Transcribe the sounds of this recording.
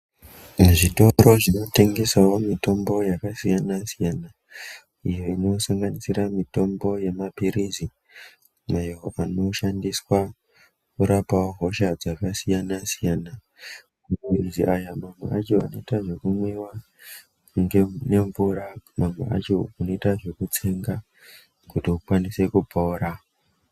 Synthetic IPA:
nʐito̞ɾo̞ʐino̞te̞ŋɡe̞sawomito̞mbo̞jakasijanasijana | ijo̞ino̞saŋɡanisiɾamito̞mbo̞je̞mapiɾizi | majooano̞ʃandiswa | kuɾapawoɦo̞ʃad͡zakasijanasijana | mairiziʔajamamwḛat͡ʃo̞a̰noitaʐe̞kumwewa | ŋɡene̞ɱvuɾamamwḛa̰t͡ʃouno̞itaʐe̞kut͡se̞ŋɡa | kutiukwanise̞kupoɾa

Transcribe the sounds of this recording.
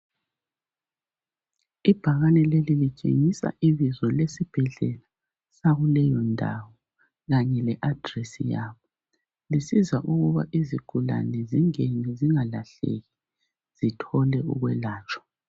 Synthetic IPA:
ib̥ʱaɣanɛlelilit͡ʃʼḛŋisa̰ʔiβizɔlesib̥ʱɛɮɛla | saɣulɛjɔndʱa̰wɔ | ɣaɲɛlɛʔad̥ʱrɛsḭjaːβɔ | lisizaʔuɣuβa̰ʔiziɡ̥ʱula̰nɛziŋeɲiziŋalaɬḛɣi | z̥itʰɔlɛṵɣwɛlaːt͡ʃʼwḁ

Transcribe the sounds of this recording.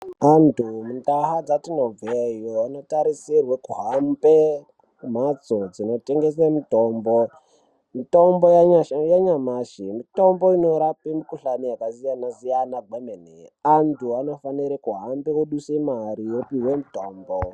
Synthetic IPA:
antʰumundaɦad͡zatinob͡vejoano̞taɾisirwekuɦambe | kum̤at͡sod͡zino̞te̞ŋɡe̞semitoːmbo | mito̞mbojajaɲamaʃimito̞mbo̞ino̞ɾapimikuɬanijakazijanazijanaɡeneneantʰuano̞faniɾekuɦambeuɗusemaɾijopiwemuto̞ːmbo

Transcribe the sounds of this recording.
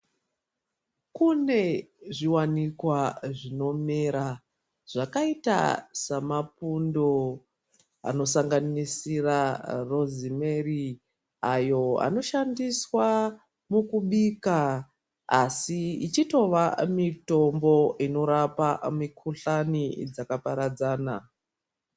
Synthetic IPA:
kune̞ʐiwanikwaʐino̞meːɾa | ʐ̥akaita̰samapundo | a̰no̞saŋɡanisiraro̞zimeri | ajo̞a̰no̞ʃandiswa | mukuɓiːka | asiit͡ʃito̞ʋamito̞mbo̞ino̞ɾapamikʰuɬanid͡zakapaɾad͡zaːna̰

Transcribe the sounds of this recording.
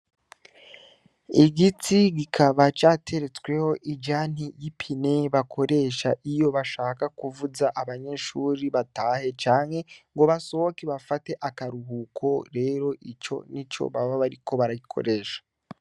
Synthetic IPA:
iɡit͡siɡikʰaβat͡ʃaːtʰe̞ɾe̞t͡swe̞ho̞ʔid͡ʒaːn̥hijipʰine̞βakʰo̞ɾe̞ʃaʔijo̞βaʃaːkakuvuzaʔaβaɲe̞ʃuːɾiβataːhe̞t͡ʃaːŋhe̞ŋɡo̞βaso̞hokeβafate̞ʔakaɾuɦukʰo̞ɾe̞ːɾo̞ʔit͡ʃo̞̰nit͡ʃo̞̰βaβaβaɾikʰo̞βaɾaɡikʰo̞̰ɾeːʃḁ

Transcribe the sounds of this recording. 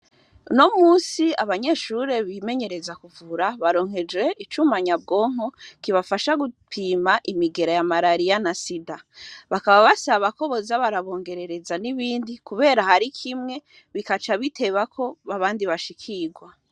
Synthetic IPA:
no̞muːsiaβaɲe̞ːʃuɾe̞βiːme̞ɲe̞ɾe̞zakuvuɾaβaɾo̞ːŋɦe̞d͡ʒwe̞it͡ʃumaɲab̚ɡo̞ːŋ̥o̞kiβafaʃaɡupʰimaʔimiɡe̞ɾajamaɾaɾijanasidaβakaβaβasaβako̞βo̞zaβaɾaβo̞ːŋɡe̞ɾe̞ɾe̞zaniβiːndikuβe̞ːɾahaɾikʰimŋe̞ | βikat͡ʃaβitʰe̞βakʰo̞βaβaːndiβaʃikʰiɡwa

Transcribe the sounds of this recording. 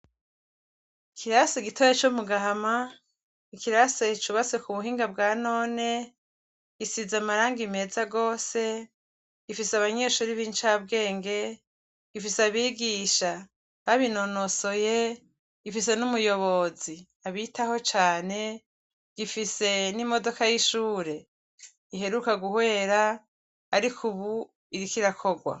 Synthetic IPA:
ikʰiɾaseɡitojet͡ʃumuɡaɦama | ikiɾaset͡ʃuβase̞kuβuɦiːŋɡab̚ɡaːno̞ːne̞ | ɡ̥isizamaɾaːŋɡime̞ːzaɡo̞ːse̞ | ɡ̥ifiseaβaɲe̞ʃuːɾiβiːnt͡ʃaːbɡe̞ːŋɡe̞ | ɡ̥ifiseaβiːɡiːʃa | βaβinonoso̞je | ɡ̥ifis̬e̞numujo̞βo̞zi | aβitaho̞t͡ʃaːne̞ | ɡ̥ifise̞nimo̞do̞kajiʃuːɾe̞ | iɦe̞ɾukaɡuhwe̞ːɾa | aɾikʰuβu | iɾikiɾakʰo̞ɡwa̰

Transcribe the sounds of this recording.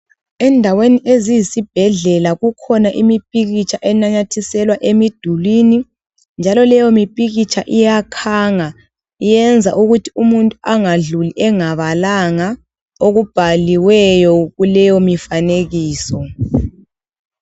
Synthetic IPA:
ɛndʱaweniʔezijisib̥ʱɛɮɛlaɣukʰɔnaʔimipʼiɣit͡ʃʰʼaʔɛnaɲatʰisɛlwaʔemid̥ʱulini | nd͡ʒʱalɔlɛjɔmipʼiɣit͡ʃʰʼaʔijakʰaːŋa | ijɛnd͡zʱa̰ʔuɣutʰiumuntʼuʔaŋaɮuliʔɛŋaβalaŋa | oɣub̥ʱaliwɛjɔɣulɛjɔmifaneɣiːsɔ

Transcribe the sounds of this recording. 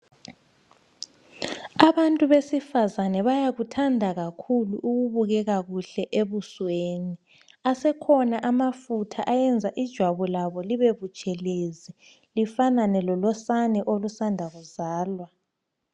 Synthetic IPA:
aβantʼuβesifazanɛβajaɣutʰandʱaɣakʰuluʔuɣuβuɣɛɣaɣuɬɛʔeβusweːni | asɛkʰɔnaʔamafutʰaʔajɛnd͡zʱaʔid̥ʒ̥ʱwaβɔlaβɔliβeβut͡ʃʼɛlezi | lifananɛlɔlɔsanɛʔolusandʱaɣuzaːlwa

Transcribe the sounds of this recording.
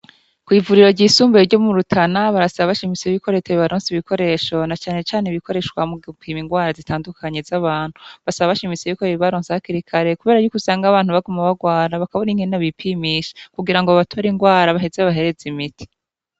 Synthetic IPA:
kwiːvuɾiɾo̞ɾɟiːsuːmbeɾɟo̞muɾutʰanaβaɾasaβaβaʃimit͡seβiko̞ɾeteβiβaɾoːnsiβiko̞ɾe̞ʃo̞nat͡ʃaːne̞t͡ʃaːneβiko̞ɾe̞ʃwamupimiŋɡwaːɾazitaːndukʰaɲe̞zaβaːn̥huβasaβaβaʃimit͡seβikoɾeβiβaɾoːnsehakiɾikʰaɾe̞kuβe̞ːɾaɾjukusaːŋɡaβaːnhuβaɡumaβaɡwaːɾaβakaβoniŋhenaβipʰiːmiːʃe̥kuɡiɾaŋɡoβatʰoɾiŋɡwaːɾaβaɦezeβaɦe̞ɾe̞zimiti̥

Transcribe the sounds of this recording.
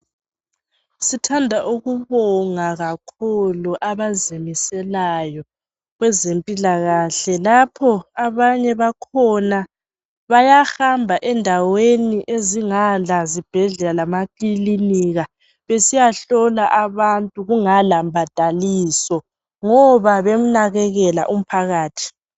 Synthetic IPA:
sitʰandʱaʔuɣuβɔŋaɣakʰɔluʔaβazimisɛlajɔ | ɣwɛzempʼilaɣaːɬɛlapʰɔaβaɲɛβakʰɔna | βajaxambʱaʔɛndʱaweniʔeziŋalazib̥ʱɛɮɛlalamakliliniɣa | βesijaɬɔlaʔaβantʼuɣuŋalambʱad̥ʱaliːsɔ | ŋɔβaβem̩naɣɛɣɛla̰ʔum̩pʰaɣaːtʰi̥

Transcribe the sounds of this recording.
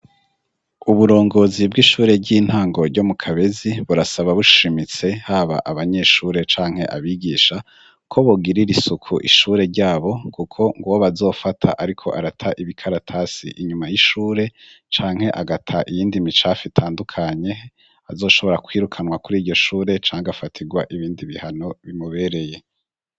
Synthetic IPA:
uβuɾo̞ːŋɡo̞zibɡiːʃuːɾe̞ɾɟiːn̥haːŋɡo̞ɾɟo̞mukʰaβe̞ziβuɾasaβaβuʃimit͡se̞haːβa̰ʔaβaɲe̞ʃuːɾe̞t͡ʃaːŋ̥he̞ʔaβiɡiːʃa | kʰo̞βoɡiɾiɾisukʰuʔḭʃuːɾe̞ɾɟaːβo̞kukʰo̞ŋɡoβoβazo̞ːfatʰa̰ʔaɾikʰo̞̰ʔaɾatʰaʔiβikʰaɾatʰaːsḭʔiɲumajiʃuːɾe̞t͡ʃaːŋ̥he̞ʔaɡatʰaʔijiːndimit͡ʃafitʰaːndukʰaɲe̞ | a̰zo̞ːʃo̞βo̞ɾakwiːɾukʰanwakuɾiːɟo̞ʃuːɾe̞t͡ʃaːŋɡafatʰiɡwaʔiβiːndiβihano̞βimuβe̞ːɾe̞je̞

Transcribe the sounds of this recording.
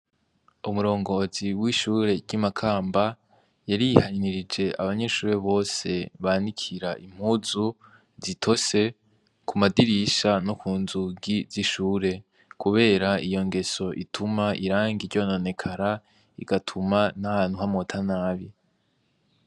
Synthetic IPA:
umuɾo̞ːŋɡo̞ziwiʃuːɾe̞ɾɟimakʰaːmba | jaɾijihaɲniɾid͡ʒe̞ʔa̰βaɲe̞ʃuːɾe̞βo̞ːse̞βanikʰiɾaʔim̥huːzu | zitʰo̞se̞ | kʰumadiɾiʃanokuːnzuɡiziʃuːɾe̞ | kuβe̞ːɾaijo̞ŋɡe̞so̞ʔḭtʰumaʔiɾaːŋɡiɾɟo̞no̞ne̞kʰaɾa | ḭɡatʰumanahaːn̥huhamotʰanaːβi

